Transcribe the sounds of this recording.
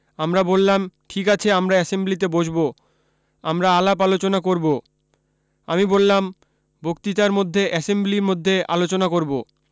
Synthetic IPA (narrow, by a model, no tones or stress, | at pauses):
amɾabolːamʈʰikat͡ɕʰeamɾaɛsemblit̪ebod͡ʑbo | a̰mɾaalapalot͡ɕonakoɾbo | amibolːam | bʱokt̪it̪aɾmod̪ʱːeʔɛsembliɾmod̪ʱːeʔa̰lot͡ɕonakoɾbo